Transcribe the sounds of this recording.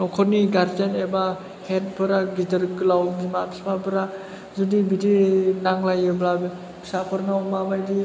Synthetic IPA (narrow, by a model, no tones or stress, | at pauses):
nɔkʰɔniɡaɾdaneba | het̚pʰɯɾaɡidəɾkɯlawbimabʰi̥spabɯɾa | zudibidinaŋlajɯbla | bʰi̥sapʰɯɾnawmabajdi